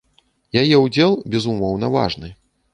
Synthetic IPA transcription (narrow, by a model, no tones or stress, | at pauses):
jajɛud͡zʲɛlˠbʲɛzumɔwnɐva̰ʐnɨ